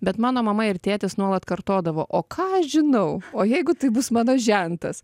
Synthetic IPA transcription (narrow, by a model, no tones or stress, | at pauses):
bʲɛt̪mɑːnoːmɐmɐɪrt̪ʲeːt̪ʲɪsnuɔlˠɐt̪kɐrt̪oːd̪ɐʋoːʔoːkʰɑːɐʃʒʲɪnɐʊoːjɛɪɡʊt̪ɐɪbʊsmɑːnoːʒʲɛnt̪ɐs